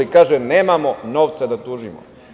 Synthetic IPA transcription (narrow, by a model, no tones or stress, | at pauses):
ikaːʒeneːmamo̞no̞ːʋt̪sad̪at̪uːʒimo̰